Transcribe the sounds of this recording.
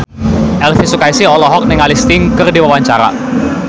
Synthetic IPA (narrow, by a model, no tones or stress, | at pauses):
ʔɛlfisukaisiɔlɔɦɔk̚nɪŋalist̪iŋkərdiwawaɲt͡ʃaɾa̰